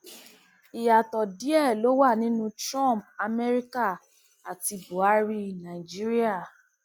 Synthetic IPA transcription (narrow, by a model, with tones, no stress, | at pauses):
i˨ja˨tɔ˨di˦ɛ˦˨lo˦wa˦˨nĩ˦nũ˦tɾã˦˨p̚a˧mɛ˦ɾi˦ka˦˨ | a˨ti˧bo˨˦a˦ɾi˧˨nã˨i˨d͡ʒi˦ɾi˦a˦˨